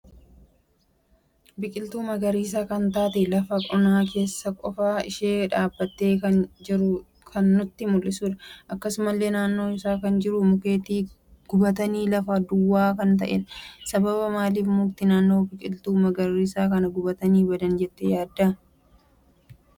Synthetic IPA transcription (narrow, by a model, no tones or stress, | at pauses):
bɪkʼɪlt̪uːmɐɡɐɾiːs̬aːkɐnt̪aːt̪ɛlɐfɐkʼɔnaːke̞ːsːɐkʼɔfaːɪʃeːᶑaːbːɐt̪ːe̞ːkɐnd͡ʒɪɾʊ | kʰɐnːʊt̪ːɪmʊlːɪsuːᶑɐʔɐkːɐsʊmɐlːe̞ːnaːnːo̞ːɪsaːkɐnd͡ʒɪɾʊmʊkeːt̪iː | ɡ̥ʊbɐt̪ɐniːlɐfɐd̪ʊwːaːkɐnt̪̬ɐʔɛ̰sɐbɐbɐmaːliːfmʊk̚t̪ɪnaːnːo̞ːbɪkʼɪlt̪uːmɐɡɐɾiːsaːkɐnɐɡʊbɐt̪ɐniːbɐd̪ɐnd͡ʒɛt̪ːɛjaːd̪ːɐ